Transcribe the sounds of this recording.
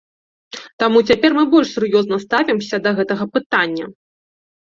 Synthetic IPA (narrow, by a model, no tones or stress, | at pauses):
t̪amut͡sʲapʲɛrmɨbɔlʲʂsʲurjɔznɐst̪avʲɛmsʲɐd̪ɐɣɛt̪ɐɣɐpɨt̪anʲːɐ